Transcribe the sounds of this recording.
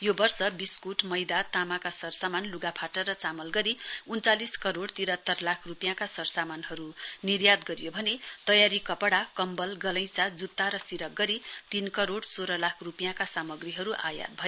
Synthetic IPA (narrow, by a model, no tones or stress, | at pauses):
jobʌrsʌbiskuʈmʌjd̪at̪amakasʌrsamanluɡapʰaʈʌrʌt͡samʌlɡʌɾiunt͡saliskʌɾoɽt̪iɾʌt̪ːʌrlakʰrupjãkasʌrsamanɦʌɾunirjad̪ɡʌɾjobʱʌnet̪ʌjaɾikʌpɽakʌmbʌlɡʌlʌ̃j̃sad͡zut̪ːaɾʌsiɾʌk̚ɡʌɾit̪inkʌɾoɽsoɾʌlakʰrupjãkasamʌɡriɦʌɾuʔa̰ja̰t̪̚bʱʌjo